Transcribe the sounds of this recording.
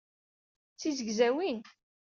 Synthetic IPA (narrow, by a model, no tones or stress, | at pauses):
t͡sːizəɡzæwin